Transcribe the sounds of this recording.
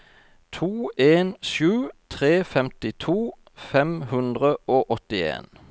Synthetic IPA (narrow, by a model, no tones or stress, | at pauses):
t̪ʰuːʔeːnʃʉːt̪ʰʁeːfɛmt̪ɪt̪ʰuː | fɛmhʉnd̪ʁəoːʔɔt̪ɪḛːn